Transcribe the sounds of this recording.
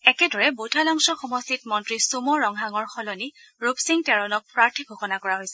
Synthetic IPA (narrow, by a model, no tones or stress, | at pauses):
ɛkɛdɔɹɛbutʰalɔŋsɔxɔmɔstitmɔntɹisumɔɹɔŋɦaŋɔɹxɔlɔni | ɹupsiŋtɛɹɔnɔk̚pɹaɹtʰiɡʱoxɔnakɔɹaɦojsɛ